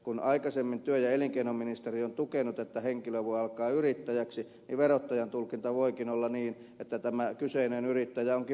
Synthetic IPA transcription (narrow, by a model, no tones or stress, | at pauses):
kunɑikɑsemːint̪yøjɑeliŋkeinomminist̪eriont̪ukenut̪et̪ːæheŋkiløʋuiɑlkɑːyrit̪ːæjæksi | niʋʋerot̪ːɑjɑnt̪ulkint̪ɑʋoikinolːɑniːn | et̪ːæt̪æmækyseinenyrit̪ːæjæoŋki